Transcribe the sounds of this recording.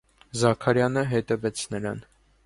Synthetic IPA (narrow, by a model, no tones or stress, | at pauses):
zɑkʰɑɾjɑnəɦɛt̪ɛvɛt͡sʰnəɾɑn